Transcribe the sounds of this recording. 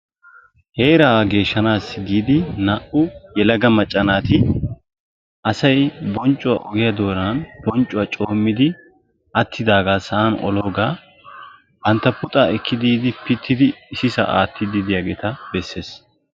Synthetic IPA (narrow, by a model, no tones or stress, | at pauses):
heːɾɐːɡe̞ːʃːɐnaːsːɪɡiːd̪ɪnɐʔʊjɛlɐɡɐmɐt͡ʃʼːɐnaːt̪ɪ | ʔɐsɐjbɔnt͡ʃʼːʊwa̰ʔɔɡɪjɐd̪o̞ːɾɐnɐnb̥ɔnt͡ʃʼːʊwaːt͡ʃʼo̞ːmːɪd̪ɪ | ʔɐt̪ʰːɪd̪aːɡaːsɐʔaːnɔ̰lo̞ːɡaː | bɐnt̪ːɐpʊt̪ʼaːɛkʰːɪd̪iːd̪ɪpɪt̪ʰːɪd̪ɪːsɪsɐ̰ʔa̰ːt̪ːɪd̪ɪd̪ɪjaːɡeːt̪ɐb̥ɛsːe̞ːs